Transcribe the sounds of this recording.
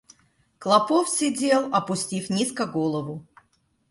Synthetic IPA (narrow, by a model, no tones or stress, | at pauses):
klˠɐpofsʲɪdʲelˠɐpʊsʲtʲifnʲiskəɡolˠəvʊ